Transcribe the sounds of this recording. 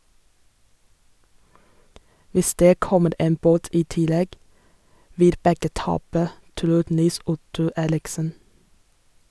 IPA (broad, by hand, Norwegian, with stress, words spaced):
ˈʋɪs ˈdeː ˈkɔməɾ ˈeːm ˈboːt ˈiː ˈtɪˌlɛɡ ˈʋɪl ˈbɛɡə ˈtɑːpə ˈtɾuː ˈniːˌsʊtʊ ˈeːɾɪksən